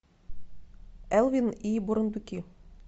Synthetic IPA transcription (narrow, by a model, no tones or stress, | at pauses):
ælˠvʲinibuɾɤ̆nd̪ʉkʲi